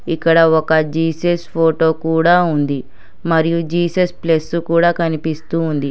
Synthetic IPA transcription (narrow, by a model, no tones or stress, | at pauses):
ikːɐɽɐɔkɐd͡ʒiːsespʰoːʈo̞ːkuːɽaːund̪i | mɐɾijud͡ʒiːsɐsplesukuːɽaːkɐnipist̪uːnd̪i